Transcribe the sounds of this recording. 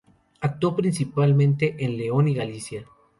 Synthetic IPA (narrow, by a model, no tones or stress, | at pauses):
ak̚t̪wopɾinsipalmẽnt̪e̞ʔenle̞o̞niɣalisja